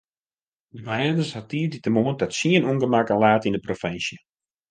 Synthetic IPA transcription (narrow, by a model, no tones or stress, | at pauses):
dəmɛːdəsatiːditəmoəndɔtsiənunɡəmakəlaːtindəprofɛnsjə